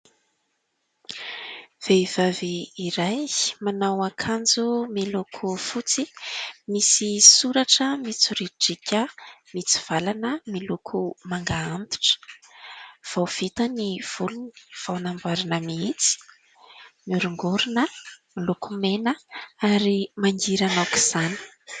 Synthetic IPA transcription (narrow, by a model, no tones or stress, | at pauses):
v̥eiv̥aviːɾajmanawakʰand͡zumilukʰufut͡simisisuɾaʈ͡ʂəmit͡suɾiʈ͡ʂikʲəmit͡si̥v̥alanəmilukʰumaŋɡaamt̪i̥ʈ͡ʂə̥ | v̥awv̥it̪aniv̥uluni̥v̥awnambaɾinəmiit͡si̥ | miuɾuŋɡuɾunəmilukumenəaɾimaŋɡiɾanaku̥z̥ani̥